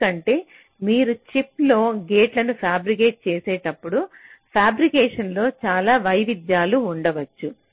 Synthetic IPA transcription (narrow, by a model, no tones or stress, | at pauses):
kɐɳʈe̞ː | miːɾut͡ʃiplo̞ːɡeːʈlɐnupʰaːbɾik̬eːʈ̚t͡ʃeːseːʈɐpːuɽupʰjaːbɾikɛːʂɐnlo̞ːt͡ʃaːlaːʋɐjʋid̪jaːluːɳɖɐʋɐt͡ʃːu